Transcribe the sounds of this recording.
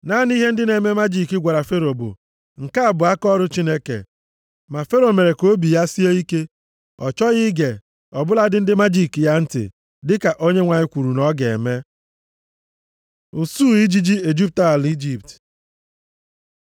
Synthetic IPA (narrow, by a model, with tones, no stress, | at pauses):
na˦ni˦ɦe˦n̩˦dɪ˦ne˨me˦ma˦d͡ʒi˦˨ki˦ɡʷa˨ɾa˨fe˦ɾo˨bʊ̰˨ | ŋ̩˨ka˦a˨bʊ˨a˦kɔ˦ɾʊ˦t͡ʃi˦ne˦kḛ˨ | ma˨fe˦ɾo˨me˨ɾe˨ko˦bi˨ja˦si˦e˦i˦ke˦ | ɔ̰˨t͡ʃɔ˦ɣɪ˦ɡe˨ | ɔ˨bʊ˦la˦dɪ˦n̩˦dɪ˦ma˦d͡ʒi˦˨ki˨ja˦n̩˦tɪ̰˨ | dɪ˦ka˨ʔo˦ɲe˦ŋʷa˨ɲɪ˦kʷu˨ɾu˨nɔ˦ɡḛ˨me˦ | ʊ˨su˦˨i˦d͡ʒi˦d͡ʒi˦e˨d͡ʒi˦p̚ta˦a˨li˦d͡ʒi˦p̚t